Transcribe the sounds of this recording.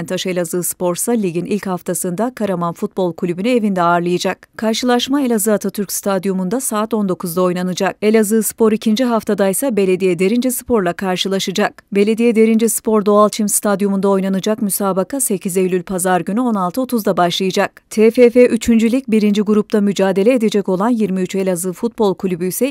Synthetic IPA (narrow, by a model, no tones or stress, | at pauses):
nt̪ʰaʃɯe̞lʲazɯːspʰo̞ɾsalʲiɟʲinilʲchaft̪ʰasɯnd̪akʰaɾamanfut̪̚bo̞lˠkʰulʲybynye̞vind̪ɛaːɾlˠɯjɯd͡ʒak̚kʰaɾʃɯlˠaʃmae̞lʲazɯat̪ʰat̪ʰyɾcst̪ʰad̪jomund̪asaːt̪o̞nd̪o̞kʰuzd̪ao̞jnanɯd͡ʒak̚e̞lʲazɯːspʰo̞ɾicʰind͡ʒiɦaft̪ʰad̪ajsabe̞lʲe̞d̪ijɛd̪e̞ɾind͡ʒisɯ̥pʰo̞ɾlˠakʰaɾʃɯlˠaʃɯd͡ʒakbe̞lʲe̞d̪ijɛd̪e̞ɾind͡ʒispʰo̞ɾd̪o̞alˠt͡ʃʰimst̪ʰad̪jomund̪ao̞jnanɯd͡ʒakmysaːbakʰase̞cʰize̞jlʲylʲpʰazaɾɟynyo̞nalˠt̪ʰɯo̞t̪ʰuzd̪abaʃlˠɯjɯd͡ʒakt̪ʰefefeʔyt͡ʃʰynd͡ʒylʲic̚biɾind͡ʒiɡuɾup̚t̪ʰamyd͡ʒaːd̪e̞lʲeed̪e̞d͡ʒɛco̞lˠanjiɾmiyt͡ʃe̞lʲazɯfut̪̚bo̞lˠkʰulʲybyjsɛ